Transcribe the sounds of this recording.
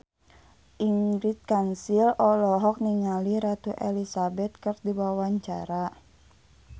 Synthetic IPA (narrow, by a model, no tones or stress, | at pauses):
ʔiŋɡɾit̪̚kansilɔlɔɦɔk̚niŋaliɾat̪uʔɛlisabɛt̪̚kɨrdiwawaɲt͡ʃa̰ɾa